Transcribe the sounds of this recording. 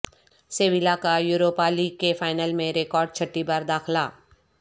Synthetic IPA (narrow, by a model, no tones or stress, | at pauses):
seːʋɪlakajuːɾoːpaliːɡ̚kefaːɪnəlmẽɾeːkɔːɾɖ̚t͡ʃʰɐʈːibaːɾd̪aːxlaː